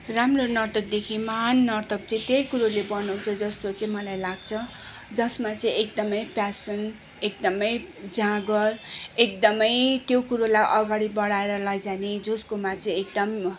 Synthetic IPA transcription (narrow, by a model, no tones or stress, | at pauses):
ramronʌrt̪ʌk̚d̪ekʰimanːʌrt̪ʌk̚t͡sʌĩt̪jejkuɾolebʌnʌwt͡sʰʌd͡zʌst̪ot͡sʌĩmʌlajlaɡ̚t͡sʰʌ | d͡zʌsmat͡sʌĩek̚d̪ʌmʌjpjasʌn | ek̚d̪ʌmʌjd͡zãɡʌrekd̪ʌmʌjt̪jokuɾolajʔʌɡaɽibʌɽaeɾʌlʌjd͡zaned͡zoskomat͡sʌ̃ĩek̚d̪ʌm